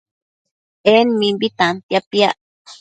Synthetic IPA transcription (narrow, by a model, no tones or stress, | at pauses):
enmimbit̪ant̪japiaʔ